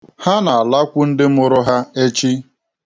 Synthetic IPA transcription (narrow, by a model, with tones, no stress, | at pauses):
ha˦na˨a˨la˦kʷu˦n̩˦dɪ˦mʊ˦ɾʊ˦ɦa˦e˦t͡ʃi˦